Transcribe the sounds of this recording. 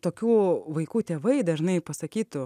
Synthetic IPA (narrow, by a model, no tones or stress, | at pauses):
t̪oːkʲuːʋɐɪkuːt̪ʲeːʋɐɪd̪ɐʒnɐɪpɐsɐkʲiːt̪ʊ